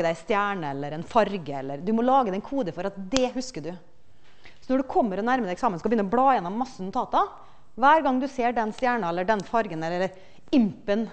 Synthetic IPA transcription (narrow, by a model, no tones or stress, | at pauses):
əd̪æɪst̪jæːɳəɛlːəɾɛnfɑɾɡəɛlːəɾd̪ʉmɔlɑːɡəd̪ɛnkʰuːd̪əfɔɾɑt̪̚d̪ɛhʉskəɖʉ | sɔnɔɖʉkʰɔmːəɾɔnæɾməd̪ɛksɑːmənskɑbjʏnɔblɑːjɛnːɔmmɑsːnʊt̪ʰɑːt̪ɑ | ʋæːɾɡɑŋːd̪ʉseːɖɛnst̪jæːɳɑɛlːəɖɛnfɑɾɡənɛlːəɾɾ | ɪmpən